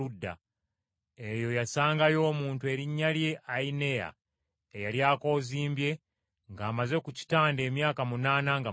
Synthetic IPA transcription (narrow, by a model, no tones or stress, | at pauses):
udːa̰ | e̞jo̞jasaːŋɡajo̞ːmuːntue̞ɾiɲːalje̞ʔaine̞ja̰ | ejaljaːko̞ːziːmbje̞ | ŋɡaːmaze̞kuci̥taːnde̞ːmjaːkamunaːnaŋɡa